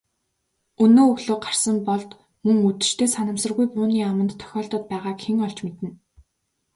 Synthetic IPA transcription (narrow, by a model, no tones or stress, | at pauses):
ɵnoːɵɣɮoːɢar̥sə̆mpɔɮt̪ | mɵŋut̪ɘ̥̆t͡ɕt̪ʰeːsanə̆msə̆rɣujpʊːniːamə̆nt̪ʰːœ̥xʲɔːɮt̪ə̆ːt̪̚pæːʁaːkxeŋɔɮt͡ɕmet̪ɘ̆n